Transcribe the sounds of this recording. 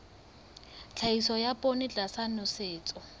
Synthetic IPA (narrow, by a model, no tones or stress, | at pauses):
t͡ɬʰaisɔjapʼonɪt͡ɬʼasanʊsɪːt͡sʼɔ